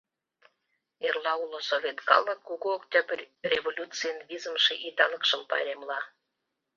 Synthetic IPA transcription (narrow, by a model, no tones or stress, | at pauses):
erlɑulosovʲet̪kɑ̰lˠːəkːuɣuoktʲɑbərʲrʲevolʲut͡sɨjənvʲizə̆mʃeʔit̪ɑnə̆kʃə̆mpɑ̰ɾʲemlɑ